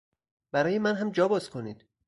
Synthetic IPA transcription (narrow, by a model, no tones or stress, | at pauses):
b̥æɾɒːjemænɦæmd͡ʒɒːbɒːzkʰo̞nḭːd̪̥